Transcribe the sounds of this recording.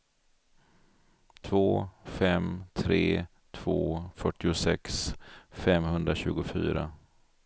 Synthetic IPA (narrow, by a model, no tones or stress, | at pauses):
t̪ʰvoːfɛmt̪ʰɾeː | t̪ʰv̥oːfœʈːɪʊsɛksfɛmhɵnd̪ɾaɕʉ̟ːɡʊfy̰ːɾa̰